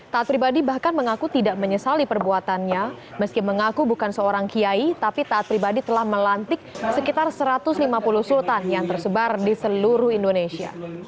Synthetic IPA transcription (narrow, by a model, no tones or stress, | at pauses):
t̪aat̪̚pɾibadibahkanməŋakut̪idaʔməɲəsalipərbuat̪anɲa | məskiməŋakubukansəoɾaŋkiait̪apit̪aːt̪̚pɾibadit̪əlahməlant̪ɪk̚səkit̪arsəɾat̪ʊslimapulʊhsult̪anjaŋt̪ərsəbardisəluɾʊhindonesia̰